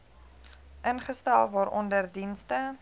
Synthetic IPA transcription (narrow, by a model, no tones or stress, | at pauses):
ʔənχəstælˠvɑːɾʔɔndərdinstə